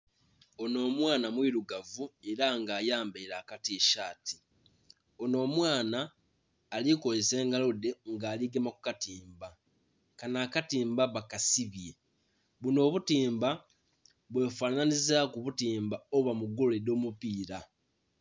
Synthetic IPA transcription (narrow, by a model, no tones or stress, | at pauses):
o̞no̞ːmwaːnamwiɾuɡavue̞ɾaŋɡaːjaːmbeɾaːkatiːʃaːti̥ | o̞no̞ːmwaːnaː | liko̞zese̞ːŋɡalo̞de̞ŋɡaːliɡemaku̥katiːmba | kanaːkatiːmbaβakasiβje̞ | βuno̞ːβutiːmba | βwe̞ːfananizakuβutiːmbaoβamuɡoledo̞ːmupiːɾa